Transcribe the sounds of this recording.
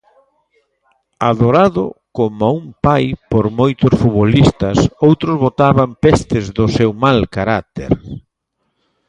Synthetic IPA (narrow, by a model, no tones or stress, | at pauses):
aðoɾaðʊ̰komaumpajpoɾmojt̪ʊsfuβolist̪ɐsowt̪ɾʊzβot̪aβampest̪ɪzðʊsewmalkaɾat̪ḛɾ